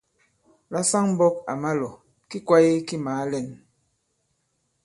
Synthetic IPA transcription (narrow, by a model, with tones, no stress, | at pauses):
la˦sa˦ŋm˦bɔ˦k̚a̰˨ma˦lɔ˨ | ki˦kwa˦je˦ki˦maː˨˦lɛ˦˨n